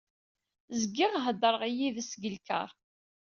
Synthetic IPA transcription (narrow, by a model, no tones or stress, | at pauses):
zəɡːɪʁɦəd̪əɾˤəʁijiðæsɡəlkə̰ʁˤ